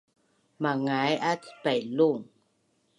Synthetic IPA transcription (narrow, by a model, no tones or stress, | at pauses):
maŋajʔat̪ʰpajluŋ